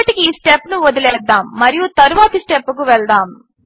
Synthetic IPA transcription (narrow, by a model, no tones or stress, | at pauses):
ɐʈikiiːsʈepːnuʋod̪ilɛːd̪ːaːmːɐɾijut̪ɐɾuʋaːt̪ɐsʈepːukuʋɛɭd̪aːm